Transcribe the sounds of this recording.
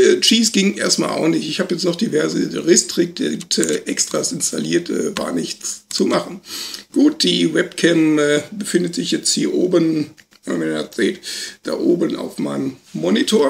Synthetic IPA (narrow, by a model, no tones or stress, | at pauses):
ʔɛːt͡ʃiːsɡ̥ɪŋʔḛːɐstma̰ːlʔa̰ʊnɪçtɪçhaːbəjɛt͡stnɔχd̥ivɛɐzəʁɪstʁ̥ɪk̚ttɛːʔɛkstʁ̥asɪnstalḭːɐtʰɛ̰ːva̰ːɐnɪçt͡st͡sumaχn̩ɡ̥uːt̚d̥iːvɛpkʰɛmɛːbəfɪndətz̥ɪçjɛt͡sthiːɐʔoːbən | mamiɛ̰t͡sɛːltd̥a̰ːʔoːbəna̰ʊfmaɪnəmmːɔnitʰoɐ